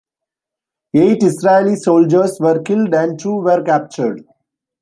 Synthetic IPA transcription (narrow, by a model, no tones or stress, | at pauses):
eːʈɪsɾaelisoːld͡ʒəɾsʋəɾkɪlɖæ̃ɳɖ̚ʈʰuːʋəɾkæp̚t͡ʃəɾɖ